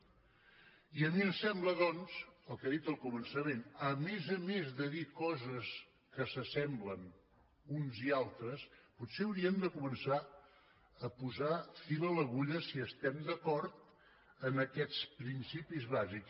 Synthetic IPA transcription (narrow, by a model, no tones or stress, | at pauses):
iəmiəmsɛmbləðɔnz̥əlˠkaðit̪əlˠkumənsəmenəmezəmezðəðikɔzəs | kəsəsɛmblən | unzialˠt̪ɾəsputseəwɾiənd̪əkumənsa | əpuzafilələɣuʎəsiəst̪ɛmd̪əkɔɾt̪ | ənəkɛt͡spɾinsipizβazik